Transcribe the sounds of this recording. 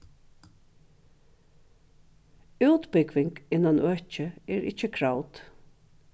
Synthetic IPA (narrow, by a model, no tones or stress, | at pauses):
ʉːt̪bɪkʋɪŋkɪnanʔœht͡ʃəɛɹɪt͡ʃːəkʰɹawt̪